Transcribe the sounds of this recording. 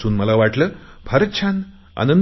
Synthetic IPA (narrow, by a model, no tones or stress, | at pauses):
suːnməlaʋaʈləːbʱəɾət̪t͡ɕʰãn | a̰nən